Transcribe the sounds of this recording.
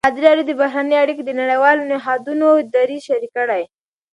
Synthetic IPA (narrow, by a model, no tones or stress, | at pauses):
ɑd̪ɪɾijaɾud̪əbaɦɾanəjaɽikod̪ənaɽajwɑlonɪɦɑd̪unoɪd̪aɾiʃaɾikəɽaj